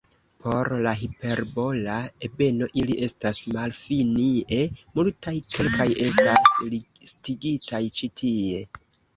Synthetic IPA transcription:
pʰo̞ɾlaɦipe̞ɾbo̞laebe̞no̞ʔiliʔe̞stasmalfinie̞multajkʰe̞lkʰajʔe̞staslistiɡitʰajt͡ʃitʰie̞

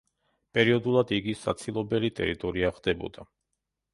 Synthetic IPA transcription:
pʼɛɾiɔd̪ulˠad̪iɡisat̪sʰilˠɔbɛlit̪ʼɛ̰ɾit̪ʼɔɾiaχd̪̥ɛbɔ̰d̪a

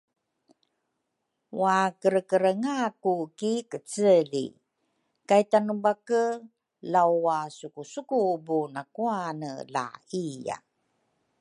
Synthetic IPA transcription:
wakəɾəkəɾəŋakukikət͡səlḭ | kajtanubakə | lawasukusukubunakuanəla̰ija̰

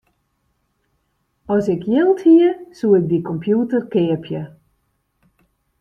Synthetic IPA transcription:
ɔsɪkʰjɪlˠthiəsuːɪk̚dikɔmpʰjutərkɪəpʰjə

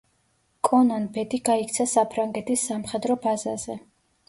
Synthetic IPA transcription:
kʼɔnanbɛd̪iɡaikʰt̪sʰasapʰɾaŋɡɛt̪ʰisːamχɛd̪ɾɔbazaz̥ɛ

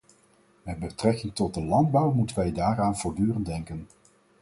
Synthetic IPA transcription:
mɛd̚bətrɛkɪŋtɔd̚dəlɑndbʌwmutənʋɛjdaːɾaːnv̥ʊːɹdyːrəndɛŋkən

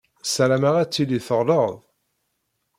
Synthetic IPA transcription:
sæɾæmæʁæt͡sːilːiθəʁləʁðˤ

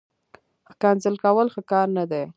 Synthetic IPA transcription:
xkanzəlkawəlxəkɑɾnad̪e

